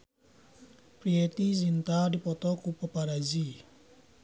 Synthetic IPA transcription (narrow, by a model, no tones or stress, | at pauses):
pɾiet̪izint̪adipɔt̪ɔkupɔpaɾazi